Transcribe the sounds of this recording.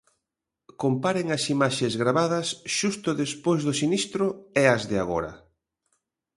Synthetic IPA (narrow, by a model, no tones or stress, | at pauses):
kompaɾeŋɐsimaʃezɣɾaβaðɐsʃust̪ʊðespojzðʊsinist̪ɾʊɛɐzðɪaɣoɾɐ̰